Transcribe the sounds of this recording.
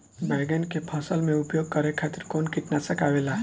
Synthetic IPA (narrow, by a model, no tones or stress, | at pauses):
najɡənkepʰãːsəlmẽʊpjoːɡ̚kəɾekʰaːt̪ɪɾkoːnkɪʈnasəkaʋela